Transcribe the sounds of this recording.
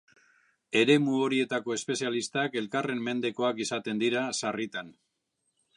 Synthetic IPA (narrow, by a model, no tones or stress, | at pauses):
e̞ɾe̞muo̞ɾie̞t̪ako̞e̞spe̞sialist̪ake̞lkare̞mːe̞nd̪e̞ko̞akisat̪e̞nd̪iɾasarit̪an